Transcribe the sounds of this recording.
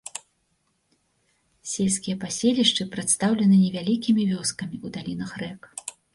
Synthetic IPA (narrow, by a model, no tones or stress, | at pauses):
sʲelʲsʲkʲijɐpasʲelʲiʂt͡ʂɨpɾɨt̪st̪awlʲɛnɨnʲɛvʲalʲikʲimʲivʲɔskɐmʲiud̪alʲin̪ɐxrɛk